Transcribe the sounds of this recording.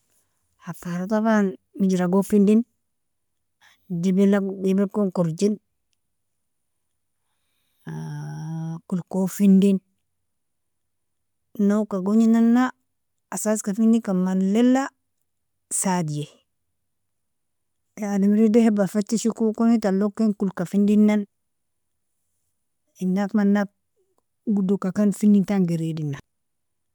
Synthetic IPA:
hapaɾataβanmid͡ʒiɾaɡofindin | dibilabibekoŋkuɾd͡ʒin | kulkofindin | nokaɡoɲinanːaː | saskafindikamanlela | sadije | adimɾidehebafetːiʃikukonitalokːenkulkafindinːan | inːakmanːap̚ | ɡudukakanfindintaŋɡeɾidina

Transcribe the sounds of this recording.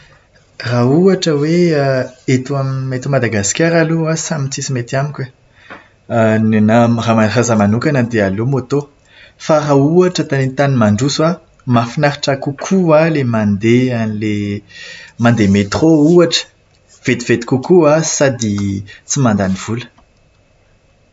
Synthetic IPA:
rauaʈ͡ʂəweaet̪uamiet̪umad̪aɡasi̥kʲaɾaluasamit͡sisimet̪amikʲwe | nenaramarazamanukanəd̪ealomot̪o | faɾauaʈ͡ʂət̪anent̪animaɳɖ͡ʐusua | mafinaɾi̥ʈ͡ʂakukʰualemand̪eanile | mand̪emet̪rouaʈ͡ʂə̥ | v̥et̪iv̥et̪i̥kukuasad̪it͡simand̪aniv̥ulə̥

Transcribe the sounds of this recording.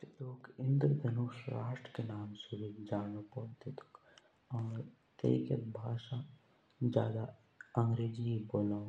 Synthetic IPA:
teloːkɪ̃nd̪ɾd̪ʱɐnuːsʊɾaːʂʈɾkenaːmsuɾiːd͡ʒaːɽoːpoːt̪et̪ʰʊ̥k | ɔːɾ | t̪ɐ̰ḭkɐt̪̚bʱaːʃa | d͡ʒjaːd̪a | ɐŋɡɾeːd͡ʒiboːlãː

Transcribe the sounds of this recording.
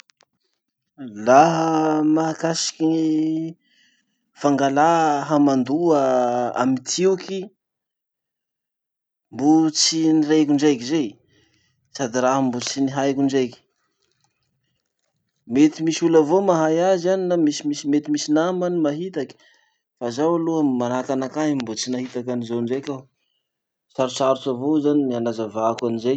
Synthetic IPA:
laɦəmaɦakasi̥kʲii | faŋɡalaɦamand̪uaa̰mit̪ʰiuki | mbut͡sinirekuɳɖ͡ʐajkizej | sad̪iraɦəmbut͡siniɦajkʲuɳɖ͡ʐajkʲi̥ | met̪imisulavomaɦajazzaninamisimisimet̪imisinamanimaɦit̪aki̥ | fazawaluamanakanakaɦimbot͡sinaɦit̪akanizanɳɖ͡ʐajkʲa | t͡saɾut͡saɾut͡savozanimianazavakanizej

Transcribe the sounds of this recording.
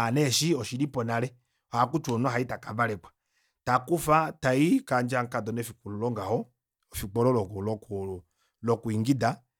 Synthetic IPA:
anɛʃiɔʃilipɔnalɛ | ɔhakut͡ʃuɔnɔɦaitakavalɛkwḁ | takufataikand͡ʒaŋkadɔnɛfikululɔŋɡahɔ | fik͡pɔlɔlɔkɔlɔku | lɔkuiŋɡida

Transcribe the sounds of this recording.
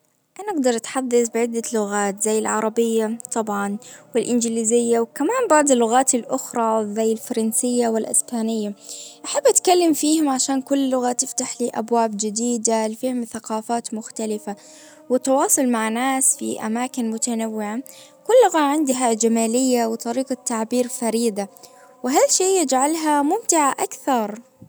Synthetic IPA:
ʔanaʔaɡ̚d̪ɑɾˤʔat̪ħɑd̪ˤːɑsˤbɪʕɪd̪ːalʊɣaːt̪zajːɪlʕɑɾˤɑbɪjːat̪ˤɑbʕɑnwɪlʔɪnd͡ʒliːzɪjːawkamaːmbɑʕd̪ˤɪlːʊɣaːt̪ɪlʔʊxɾˤɑzajːɪlfɑɾˤɑnsɪjːawɪlʔɪ̰sbaːnɪjːaʔaħabːʔat̪kalːɪmfiːhʊmʕaʃaːnkʊlːʊɣat̪ɪft̪aħliːʔabwaːbd͡ʒɪd̪iːd̪alɪfiːhʊmθaqɑːfaːt̪mʊxt̪alɪfa | wɪt̪ːɑwɑːsˤʊlmaʕnaːsfḭʔa̰maːkɪnmʊt̪anawːɪʕa | kʊlːʊɣaʕɪnd̪ɦad͡ʒamaːlɪjːawɪt̪ˤɑɾiːqat̪ːaʕbiːɾfaɾiːd̪a | wɪɦaʃijːɪd͡ʒʕalɦamʊmt̪ɪʕaʔakθɑɾˤ

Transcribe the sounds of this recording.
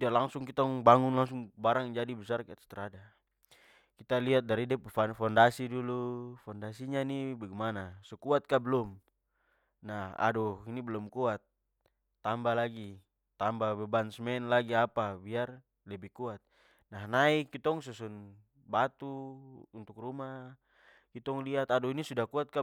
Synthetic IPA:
dalaŋsuŋkit̪ɔŋbaŋunlaŋsuŋbaɾaŋd͡ʒadibɛsarkɛt̪ḁt̪ɛɾada | kit̪aliɦat̪̚daɾidɛffandasidulufɔndasiɲanibaɡɛmanasɔkuat̪̚kabɛlɔm | naha̰dɔinibɛlɔmkuat̪̚ː | ambalaɡi | t̪ambabɛbansmɛnlaɡiapabiar | lɛbɛkuat̪̚ | naɦnaikit̪ɔŋsusun | bat̪uunt̪uk̚ruma | kit̪ɔŋliat̪adɔinisudakuat̪̚ka

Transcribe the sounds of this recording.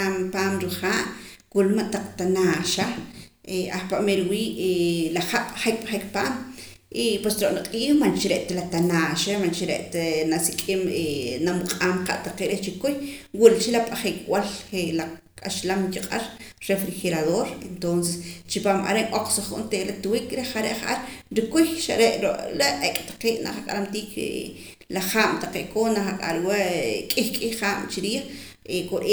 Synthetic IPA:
ampaːmɾiχaːʔkulmaʔt̪aq͡χt̪anaːʃaeahpaʔmeɾwiːʔelaχaʔaχek̚ʼɓaχikpaːm | ʔipwesɾoʔnaqʼiːxmant͡ʃiɾeʔt̪alat̪anaːʃamant͡ʃiɾḛʔt̪anasikʼimenamuqʼaːmqa̰ʔt̪aqeʔɾeht͡ʃikujwult͡ʃilapʼaχikʼwalχela | kʼaʃlamkiqʼaɾɾefɾixeɾaðoːɾent̪onsest͡ʃipaːmʔa̰ɾeʔŋʔoq͡χsoχṵʔnt̪eʔlat̪uwikʼɾeχaɾḛʔχʔaɾɾikujʃa̰ɾeʔɾoʔɾeʔekʼt̪ḁqeːʔna̰ʔχakʼa̰ɾamt̪iːkʰ | laχaːmt̪aqeːʔkoːnaχakʼa̰lwakʼixkʼihχaːm̰t͡ʃiɾiːχ | ekoɾʔe

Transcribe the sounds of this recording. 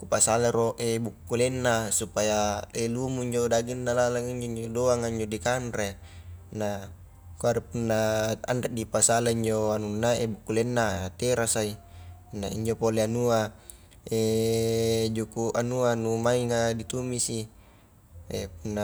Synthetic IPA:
kupasalaɾoʔebukːulenːasupajaelumuiɲd͡ʒodaɡinːalalaŋiɲd͡ʒoiɲd͡ʒodoaŋaiɲd͡ʒodikanɾe | na | kuaɾepunːaanreʔ̚dipasalaiɲd͡ʒoanunːaʔebukːulenːat̪eɾasainaḭɲd͡ʒopoleanua | e | d͡ʒukuʔanuanumaiŋadit̪umisi | ep̚unːa

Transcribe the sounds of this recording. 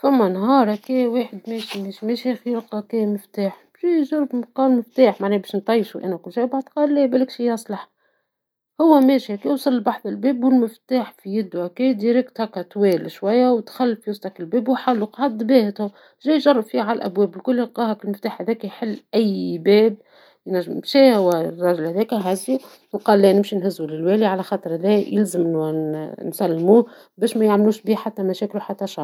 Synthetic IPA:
fæmːænɦɑːɾˤhækɛːweːħɪd̪mɛːʃimɛːʃimɛːʃæxiɾlqɑkɛmɪft̪aːħbʒijʒɑrˤːbmqɑːmɪft̪aːħmaʕnɛːbeːʃnt̪ˤɑjːʃuʔæ̰nækʊlʃæːjbaʕd̪qɑːlːɛːbælɪkʃijɑsˤlɑħ | hʊwːæmɛːʃihækiːwsˤɑlːbɑħðˤɪlbɛːbwɪlmɪft̪aːħfijɪd̪ːuʔækiːd̪iɾɪk̚t̪hækæt̪wɛːlʃwæjːæwt̪xælːfiwʊsˤt̪ˤɑkɪlbɛːbwħalːuqʕad̪beːhɪt̪hʊ | ʒɛːjʒɑrˤːɑbfiːhʕallʔæ̰bwɛːblkʊlːɪlqɑːhɑkɪlmɪft̪aːħhæðɛːkæjħɪlːʔæjːbɛːb̚ | jnæʒːmmʃɛːhwæɾˤɑʒɪlhæðɛːkæɦæzi | wqɑːlːæːnɪmʃinɦɪzːulɪlwæːliʕalæxɑːt̪ˤɾˤhæðɛːjɪlzɪm | nsælːmuː | bɛːʃmæjaʕmluːʃbiːhħat̪ːæmæʃɛːkluħat̪ːæʃɑɾˤ

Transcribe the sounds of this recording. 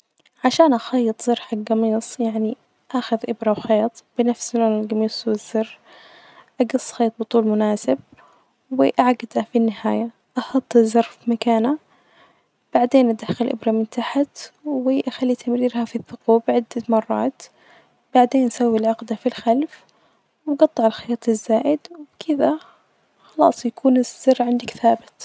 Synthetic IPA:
ʕaʃaːnʔaxɑjːɨt̪ˤz̥ɑɾˤħaɡɑmiːsˤjaʕni | ʔaːxʊðʔɪbɾɑwxɑːt̪ˤb̥ɪnafsloːnɪlɡɑmiːsˤwɪzːɑr | ʔaɡɨsˤːxɑːt̪̚ˤbɨt̪ˤuːlmʊnaːsɪb̚ | wɪʔaʕɡɪd̪afinːɪhaːja | ʔɑxɑt̪ˤːzɑɾˤfimakaːna | b̥aʕd̪eːnʔad̪axalʔʊ̰bɾˤɑmɪnt̪aħat̪wɪʔaxalːit̪ʰamɾiːɾhafiθːʊquːbʕɪd̪ːamɑrˤːɑ̰ːt̪ | b̥aʕd̪eːnʔasawːilʕʊqd̪afilxalf | wɡɑt̪ˤːɨʕalxajɑːt̪ˤɪzːaːʔɪd̪wɪbkʰɪða | xɑlɑ̰ːsˤjakʰuːnɪzz̥ːɑrːʕɪnd̪akθaːbɪt̪

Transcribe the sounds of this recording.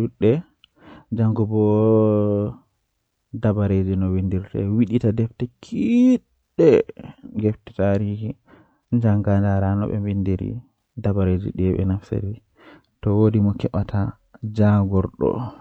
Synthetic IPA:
ɗuɗːɛ | d͡ʒaŋɡɔbɔ | dabaɾed͡ʒinɔwindiɾtawiɗitadɛftɛkʰiɗːɛɡɛftɛ̥taːɾiːhi | nd͡ʒaŋɡandaɾanɔ̰ɓɛ̰mbindiɾḭ | dabaɾed͡ʒḭɗɛɓɛ̰nafsḛɾi | tɔwodimɔkɛɓatʰa | d͡ʒaɡɔɾɗɔ̰

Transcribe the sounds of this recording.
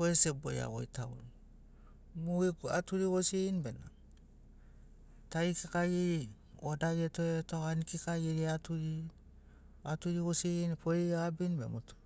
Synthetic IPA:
oesebo̰ja̰wo̰itaun | muikuatuɾiwosieinbena | taikekajiɾi | odajetoetoanikikajiɾiatuɾi | atuɾiβosieinpʰoɾiaabinbḛmutu̥

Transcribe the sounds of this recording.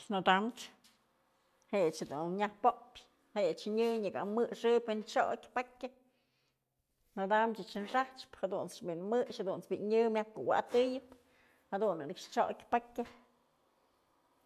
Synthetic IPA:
nod̪amt͡ʃ | hejt͡ʃhed̪unɲahpopʲ | hejt͡ʃɲɨɲɨɡa̰ʔmɨʂɨpʲwɨnt͡ʃo̰kʲpakʲa | nod̪amt͡ʃɨt͡ʃɨnʂaht͡ʃphad̪unt͡sbinmɨʃhad̪unt͡sbiɲɨmʲjahkowa̰ʔt̪ɨjɨp | had̪unɨnɨkʂt͡ʃoʔkʲpakʲa

